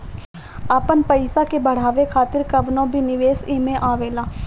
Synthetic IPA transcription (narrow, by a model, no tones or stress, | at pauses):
aːpənpəɪsakebəɽ̤aːʋekʰaːt̪ɪɾkəʋnõbʱinɪʋeːsɪːmẽʔaːʋeːlaː